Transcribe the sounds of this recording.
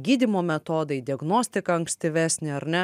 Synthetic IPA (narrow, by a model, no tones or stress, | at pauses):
ɡʲiːd̪ʲimoːmʲɛt̪oːd̪ɐɪd̪ʲɪɐɡnoːsʲt̪ʲɪkɐɐŋksʲt̪ʲɪʋʲæːsʲnʲeɐɾnʲɛ